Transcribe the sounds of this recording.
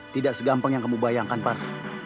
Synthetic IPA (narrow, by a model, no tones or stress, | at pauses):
t̪idaʔsəɡampəŋjaŋkəmubajaŋkanpar